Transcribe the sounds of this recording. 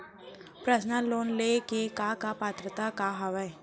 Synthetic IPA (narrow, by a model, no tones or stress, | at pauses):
pɾəsnəloːnlekekakapaːt̪ɾət̪akaɦɐʋə